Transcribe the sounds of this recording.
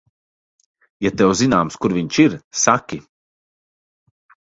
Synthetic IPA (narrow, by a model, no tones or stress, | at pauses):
jat̪ɛwzinaːmskuɾvʲiɲt͡ʃiɾsakʲi